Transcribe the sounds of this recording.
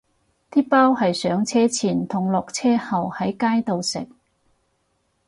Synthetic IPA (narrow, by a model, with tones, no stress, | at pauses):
t̪iː˥paː˥whɐ˨jsœː˨˧˥ŋt͡sʰɛː˥t͡sʰiː˨˩nt̪ʰʊ˨˩ŋlɔː˨k̚t͡sʰɛː˥hɐ˨whɐ˨˥jkaː˥jt̪o˨wsɪ̰˨˩k̚